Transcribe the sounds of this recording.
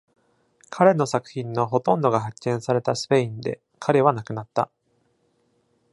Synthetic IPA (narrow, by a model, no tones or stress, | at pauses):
kʰaɾe̞no̞sakɯ̟̥çĩnːo̞ɦo̞t̪õ̞nd̪o̞ɡaɦakːẽ̞ɰ̃saɾe̞t̪asɨ̥pe̞ĩnd̪e̞̰ | kʰaɾe̞β̞anakɯ̟nat̪ːa